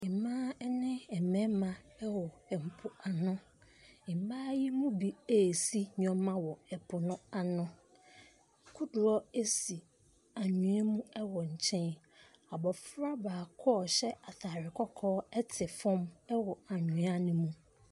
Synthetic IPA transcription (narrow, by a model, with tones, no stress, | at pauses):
ɪ˨mãː˦nɪ̃˦ɛ˨mɛ̃˦mã˨ɛ˦wɔ˨ɛ˨m̩˨pʰʊ˦a˨nʊ̃˦˨ | m˨baː˦ji˦mũ˦bi˦e˨si˦ɲᶣɔ̃˨mːã˦wɔ˨ɛ˨pʰʊ˨nʊ̃˦a˨nʊ̃˦ | kʰʊ˦dʊ˨ɾɔ˦e˦si˨ | a˨ɲũ˨a˦mũ˦ɛ˦wɔ˨ɲ̩˨t͡ɕʰɛ̃˦n | a˨bɔ˨fɾa˦baː˨kʰɔ˦˨ɕɛ˦a˨taː˨ɾɪ˨kʰɔ˦kʰɔː˦ɛ˦tʰɪ˨fɔ̃˦mɛ˦wɔ˨a˨ɲũ˨a˦nɪ̃˦mũ˦